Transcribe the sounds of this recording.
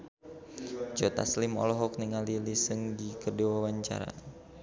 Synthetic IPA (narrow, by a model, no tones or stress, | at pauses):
d͡ʒɔt̪a̰slɪmɔ̰lɔɦɔk̚niŋalilisəŋdikədiwawaɲt͡ʃa̰ɾa̰